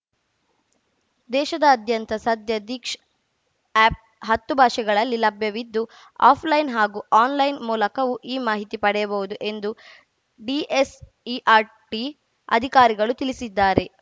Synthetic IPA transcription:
d̪ɛːʃɐd̪ɐːd̪ʱjɐnt̪ɐsɐd̪jɐd̪iːkʂ | ɛːp̚ | ɦɐt̪ːubʱaːʃɛɡɐɭɐlːilɐbʱjɐʋid̪ːu | a̰ːpʰlɐjnɦaːɡuːʔaːnlɐjnmuːlɐkɐʋuʔiːmaːɦit̪ipɐɽɛjɐbɐʋud̪uʔe̞nd̪u | ɖies | iʔaːɾ | ʈi | ɐ̰d̪ʱikaːɾiɡɐɭut̪ilisid̪ːaːɾe̞

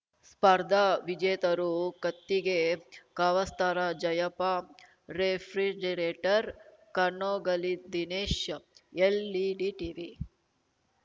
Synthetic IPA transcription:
spɐɾd̪ʱɐʋid͡ʒeːt̪ɐɾukɐt̪ːiɡekaʋɐst̪aːɾad͡ʒɐjɐpa | ɾepʰɾid͡ʒeɾeːʈɐɾkɐnːoːɡɐlid̪ineːʃelːiɖiʈiʋi

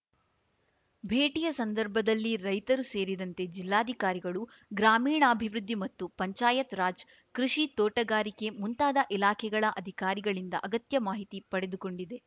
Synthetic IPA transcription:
bʱeːʈijɐsɐnd̪ɐɾbʱɐd̪ɐlːiɾɐjt̪ɐɾuse̞ːɾid̪ɐnt̪e̞d͡ʒilːaːd̪ʱikaːɾiɡɐɭu | ɡɾaːmiːɳɐːbʱiʋɾud̪ʱːimɐt̪ːupɐɲt͡ʃaːjɐt̪ɾaːd͡ʒ | kɾuʂit̪ɔːʈɐɡaːɾike̞munt̪aːd̪ɐʔilaːkʰɛɡɐɭɐʔɐd̪ʱikaːɾiɡɐɭind̪ɐ̰ʔɐɡɐt̪jɐmaːɦit̪ipɐɽe̞d̪uko̞ɳɖid̪e̞

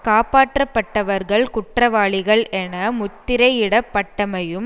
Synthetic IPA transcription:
kaːpaːʈrɐpːɐʈːɐʋɐɾɣɐɭkʊʈrɐʋaːɭɪɣɐɭʔɛnɐmʊt̪ːɪɾɐɪɪɽɐpːɐʈːɐmɐjɯm

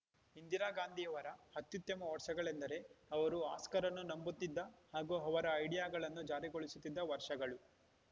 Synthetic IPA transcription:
ind̪iɾaːɡaːnd̪ʱijɐʋɐɾɐhɐt̪ːjut̪jɐmɐʋɐɾʂɐɡɐɭend̪ɐɾe̞ɐʋɐɾua̰ːskɐɾɐnːunɐmbut̪ːid̪ːɐhaːɡuɦɐʋɐɾɐːjɽijaːɡɐɭɐnːud͡ʒaːɾiɡoɭisut̪ːid̪ːɐʋɐɾʂɐɡɐɭu

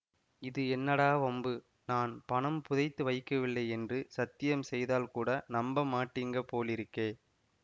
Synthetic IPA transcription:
ɪðɯɛnːɐɽaːʋɐmbɯ | naːnpɐɳɐmpʊðɐɪt̪ːɯʋɐɪkːɐʋɪlːɐɪɛndrɯsɐt̪ːɪjɐmsɛjðaːlkuːɽɐnɐmbɐmːaːʈːiːŋɡɐpoːlɪɾɯkːeː

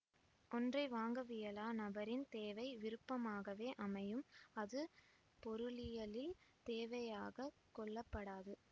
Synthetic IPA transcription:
ʔɔndrɐɪʋaːŋɡɐʋɪjɐlaːnɐbɐɾɪnt̪eːʋɐɪʋɪɾɯpːɐmaːɣɐʋeːʔɐmɐjɯmɐðɯ | pɔɾɯɭɪjɐɭɪlt̪eːʋɐjaːɣɐ | kɔɭːɐpːɐɽaːðɯ

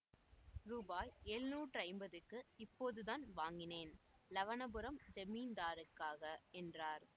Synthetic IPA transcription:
ɾuːbaːjeːɻnuːʈrɐɪmbɐðɯkːɯɪpːoːðɯðaːnʋaːŋɡɪneːn | lɐʋɐnɐbɯɾɐmd͡ʒɐmiːnd̪aːɾɯkːaːɣɐɛndraːɾ

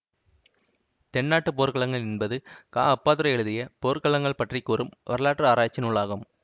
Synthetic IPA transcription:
t̪ɛɳːaːʈːɯpoːɾkɐɭɐŋɡɐɭɛnbɐðɯka̰ːɐpːaːðɯɾɐɛɻɯðɪjɐpoːɾkɐɭɐŋɡɐɭpɐʈrikːuːrɯmʋɐɾɐɭaːʈrɯaːɾaːt͡ʃːɪnʊɭːaːɣɯm

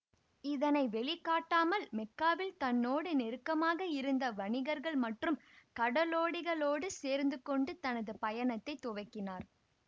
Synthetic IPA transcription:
ɪðɐnɐɪʋɛɭɪkːaːʈːaːmɐlmɛkːaːʋɪlt̪ɐnːoːɽɯnɛɾɯkːɐmaːɣɐɪɾɯnd̪ɐʋɐɳɪɣɐɾɣɐɭmɐʈrɯmkɐɽɐloːɽɪɣɐɭoːɽɯseːɾnd̪ɯkːɔɳɖɯt̪ɐnɐðɯpɐjɐnɐt̪ːɐɪt̪ːʊʋɐɪkːɪnaːɾ

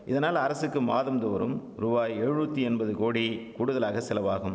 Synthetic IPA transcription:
ʔɪðɐnaːlɐɾɐsɯkːɯmaːðɐmd̪ɐʋɐɾɯ̰m | ɾʊbaːjɛɻut̪ːiɛnbɐðɯkoːɽikuːɽʊðɐlaːɣɐsɪlɐʋaːɣɯm

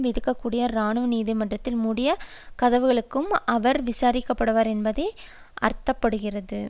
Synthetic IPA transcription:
mɪðɯkːɐkːuːɽɪjɐɾaːɳɯʋniːðimɐɳdrɐt̪ːɪlmʊɽɪjɐ | kɐðɐʋɯɣɐɭɯkːɯmɐʋɐɾʋɪsaːɾɪkːɐpːɐɽɯʋaːɾɛnbɐðɐɪ | ʔɐ̰ɾt̪ːɐpːɐɽɯɣɪrɐðɯ

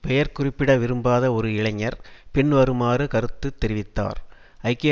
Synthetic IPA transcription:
pɛjɐɾkʊrɪpːɪɽɐʋɪɾɯmbaːðɐɔɾɯɪɭɐɲːɐɾpɪɳʋɐɾɯmaːɾɯkɐɾɯt̪ːɯt̪ːɛɾɪʋɪt̪ːa̰ːɾ | ɐɪkːe

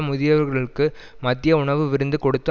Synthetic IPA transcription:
mʊðɪjɐʋɐɾɣɐɭɯkːɯ | mɐt̪ːɪjɐʊɳɐʋɯʋɪɾɯnd̪ɯkɔɽɯt̪ːɐ

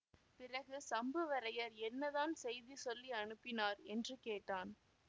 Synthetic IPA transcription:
pɪrɐɣɯsɐmbɯʋɐɾɐjɐɾɛnːɐðaːnsɛjðisɔlːiɐnɯpːɪnaːɾɛndrɯkeːʈːaːn

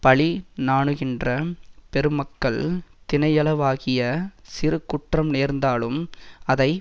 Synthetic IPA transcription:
pɐɭinaːɳɯɣɪndrɐpɛɾɯmɐkːɐɭt̪ɪnɐjɐlɐʋaːɣɪjɐsɪɾɯkːʊʈrɐmneːɾnd̪aːlɯmɐðɐɪ

